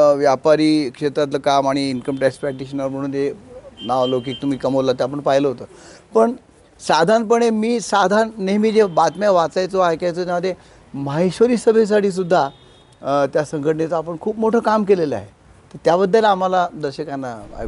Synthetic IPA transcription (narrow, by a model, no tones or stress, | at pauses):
ʋjapaɾiːkʂet̪ɾat̪̬ləkamaɽ̃iːnkəmʈɾɛkspɛk̚ʈiɕənɾm̤əɽ̃uːnenaʋlokiːk̚t̪um̤iːkəmolat̪̬eap̬əɳpaɦiləɦot̪əːpəɳ | sad̪ʱanpəɳ̃emiːsad̪ʱanːemiːd͡zebat̪mjaʋat͡sajt͡soajkajt͡sot̪jaməd̪ʱːje | maɦiɕʋəɾiːsəbʱes̬aʈʰiːs̬ud̪ʱːa | t̪jasəŋkʰəʈɳet͡səapəɳkʰuːpmoʈʰəːkamkeleləa̰ɦe | t̪əɾt̪jabəd̪ʱːəlam̤alad̪əɾɕəkanːaa̰